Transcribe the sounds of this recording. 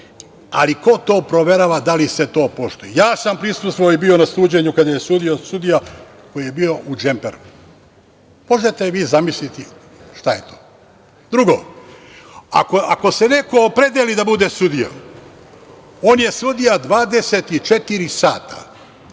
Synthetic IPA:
a̰liko̞t̪o̞ːpɾo̞ʋe̞ɾaːʋad̪alise̞t̪o̞ːpo̞ʃt̪ojijaːsampɾisust̪ʋaoibio̞nasˠuːd͡ʑe̞ɲukad̪aje̞sud̪io̞sud̪ija | ko̞jije̞biːo̞ʔud͡ʒe̞mpḛɾu | mo̞ʒe̞t̪eʋiːzamislit̪i | ʃt̪aje̞t̪ʰoː | d̪ɾuɡo̞ | a̰koako̞se̞ne̞ko̞ːpɾe̞d̪elid̪abud̪esud̪ija̰ | o̞ːnje̞sud̪ijad̪ʋaːd̪e̞se̞t̪it͡ʃe̞t̪iɾisaːt̪ʰḁ̰

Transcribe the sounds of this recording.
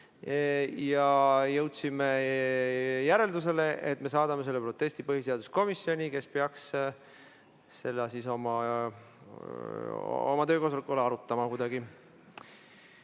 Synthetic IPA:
jɑjɤwt̪sime | jæɾe̞ld̪us̬e̞le̞ʔet̪ːme̞sɑːd̪ɑmese̞lːpro̞t̪ːe̞st̪ipɤɦise̞ɑd̪̥usko̞misːjo̞nʲike̞speɑks | se̞lːɑsiso̞mɑ | o̰mɑt̪øːko̞sɑlikːˑuleɑɾut̪ːˑɑmɑkud̪ɑɡ̥i

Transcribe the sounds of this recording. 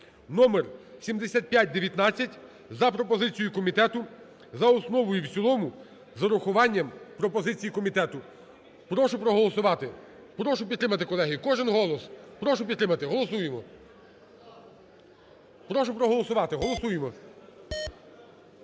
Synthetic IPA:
nɔmersʲimd̪esʲat̪̚pʲjat̚ʲd̪eʋʲjɐt̪nɑt͡sʲːɐtʲ | zɐpɾɔpɔzɪt͡sʲijʊkɔmʲit̪ɛt̪ʊ | zɐɔsnɔʋɔjʊwt͡sʲsʲilˠɔmʊ | zɐɾʊxʊʋɑnʲːɐmpɾɔpɔzɪt͡sʲijikɔmʲit̪ɛt̪ʊ | pɾɔʃʊpɾɔɦɔlˠɔsʊʋɑt̪ɪ | pɾɔʃʊpʲid̪t̪ɾɪmɐt̪ɪkɔlˠɛɦikɔʒɪnɦɔlˠɔspɾɔʃʊp̬ʲid̪t̪ːɾɪmɐt̪ɪɦɔlˠɔsujemɔ | pɾɔʃʊpɾɔɦɔlˠɔsʊʋɑt̪ɪɦɔlˠɔsujemɔ

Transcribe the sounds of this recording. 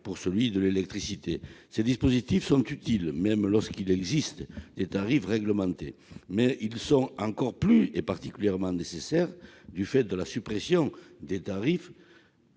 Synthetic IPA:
puʁsəlɥid̪əlelɛk̚t̪χisit̪esed̪ispozit̪ifsɔ̃nt̪yt̪ilmɛmlɔʁskilɛɡzist̪d̪̥et̪aʁifʁɛɡləmɑ̃t̪emɛilsɔ̃ɑ̃ŋkɔʁplyepaʁt̪ikyljɛʁmɑ̃nesesɛʁd̪yfɛt̪̚d̪əlasypχesjɔ̃d̪et̪aʁif

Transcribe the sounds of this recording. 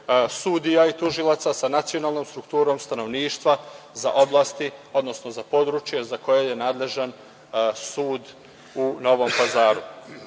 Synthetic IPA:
sud̪ijait̪uʒilˠat̪sasanat̪sio̞naːlˠno̞ːmst̪ɾukt̪uːɾo̞ːmst̪ano̞ʋniːʃt̪ʋa | za̰ʔo̞blˠaːst̪io̞d̪no̞sno̞zapo̞d̪ɾut͡ʃje̞zako̞jeje̞naːd̪le̞ʒan | suːd̪ | uno̞ʋo̞mpazaːɾu

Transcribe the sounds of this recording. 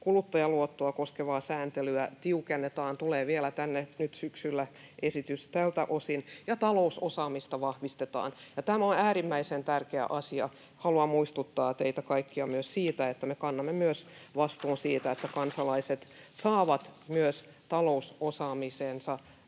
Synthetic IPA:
kulut̪ːɑjɑluot̪ːoɑkoskeʋɑːsæːnt̪elyæt̪iukenːet̪ɑːnt̪uleːʋielæt̪ænːenyt̪syksylːæʔesit̪yst̪ælt̪æ̰ʔosinjɑt̪ɑlousosɑːmist̪ɑʋɑhʋist̪et̪ɑ̰ːnjɑt̪æmæonæːrimːæisent̪ærkeæ̰ʔɑsiɑ̰ | hɑluɑmmuist̪ut̪ːɑːt̪eit̪ækɑikːiɑmyøssiːt̪æet̪ːæmekɑnːɑmːemyøsʋɑst̪uːnsiːt̪æet̪ːækɑnsɑlɑiset̪sɑːʋɑt̪myøs | t̪ɑlousosɑːmiseːnsɑ

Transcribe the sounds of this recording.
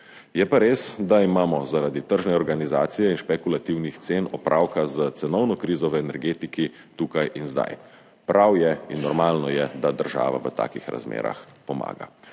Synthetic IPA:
jɛpaɾeːsd̪aimaːmɔzaɾad̪it̪əɾʒnɛɔɾɡanizaːt̪sijɛinʃpɛkulat̪iwnixt̪seːnɔpɾʔaːwkazət̪sɛnɔwnɔkɾiːzɔʋəɛnɛɾɡeːt̪iki | t̪uːkajʔinzd̪a̰j | pɾʔawjɛinːɔɾmaːlnɔjɛd̪ad̪əɾʒa̰ːʋa̰ʋət̪a̰ːkixɾa̰zmḛːɾa̰xpɔma̰ːɡa̰

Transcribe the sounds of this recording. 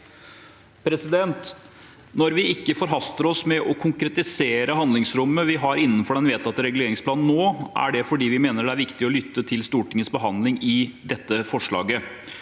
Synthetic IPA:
pʰɾɛsɪd̪ɛnt̪ | nɔɾʋɪɪkːəfɔɾɦɑst̪əɾɔsmɛʔɔkʰʊŋkɾɛt̪ɪseːɾəhɑnd̪lɪŋsɾʊmːəʋɪɦɑɾɪnːənfɔɖɛnʋeːt̪ʰɑt̪ːəɾɛɡʉleːɾɪŋsplɑːnn̩ːoːʔæ̰ɖɛfɔɖiːʋɪmeːnəɖɛæɾʋɪkt̪ɪɔlʏt̪ːət̪ʰɪlst̪uːʈɪŋːəsbəɦɑnd̪lɪŋɪd̪ɛt̪ːəfɔʂɭɑ̰ːɡə

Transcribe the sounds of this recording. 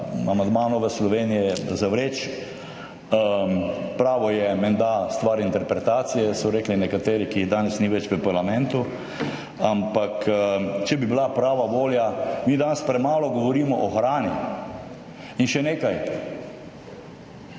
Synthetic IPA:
amãnd̪maːnɔʋəslɔʋeːnijɛzaʋɾeːt͡ʃ | pɾaːʋɔjɛmɛnd̪ast̪ʋaɾint̪ɛɾpɾɛt̪aːt̪sijɛsɔɾeːklinɛkat̪eːɾikiːɣd̪aːnɛsniʋɛt͡ʃʋəpaɾlamɛ̃nt̪u | ampakt͡ʃɛbibilapɾaːʋaʋoːljamiːd̪aːnspɾɛmaːlɔɡɔʋɔɾiːmɔʔɔxɾaːni | inʃɛneːkaj

